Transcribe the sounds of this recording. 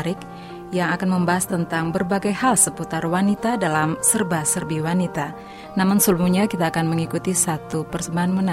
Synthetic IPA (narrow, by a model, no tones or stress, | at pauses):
ɾɪk̚ | jaŋakanməmbaɦast̪ənt̪aŋbərbaɡajhalsəput̪arwanit̪adalamsərbasərbiwanit̪a | namʊnsəlmuɲakit̪aːkanməŋikut̪isat̪upərsəmbaɦanməna